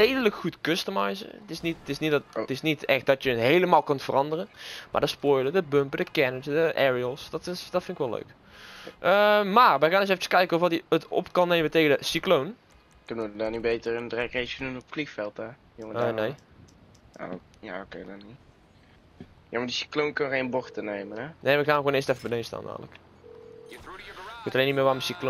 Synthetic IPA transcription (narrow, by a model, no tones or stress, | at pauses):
dejdələkxutkøstəmɑjzə̰tɪsnittɪsnitɪsnitɛxt̚dɑtjənɦejləmaːlˠkøntfərɑndərənma̰ːdɑspoːjlədəbɵmpədəkɛnəsdəʔɛɹiəlˠsd̥ɑtɪsd̥ɑtfɪnɪkʋɛlø̰ɥk | ʔəmaːɹʋəɣaːndsɛfət͡ʃəskɛjkənɔfʋɑtiətɔ̰pkɑnːejməntejɣədəsiklown | kønəədanibejtərəndrɛkrejsədunɔpflixfɛlˠta | joəːnej̰ | ja̰okejdani | jaːmadisi̥klonkɑnɣejnbɔxtənejmənɛnʔejʋɪkxaːnxwoːnɪːstɛfəbənejsta̰ːnːa̰ːmələ̰k | kʋotɑleːnimɪːɹʋaːrməsiklo